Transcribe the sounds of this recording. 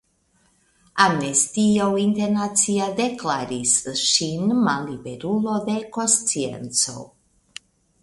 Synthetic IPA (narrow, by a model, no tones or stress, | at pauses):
amnest̪iawint̪eɾnat͡siad̪eklaɾisʃinmalːibeɾulo̞d̪e̞ko̞nst͡sie̞̰nt͡so̞̰